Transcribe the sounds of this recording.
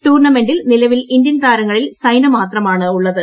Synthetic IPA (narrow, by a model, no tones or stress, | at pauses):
ʈuːrɳɐme̞ɳɖilnilɐʋilind̪jɐnt̪aːɾɐŋːɐɭilsɐjnɐmaːt̪rɐmaːɳɨuɭːɐðɨ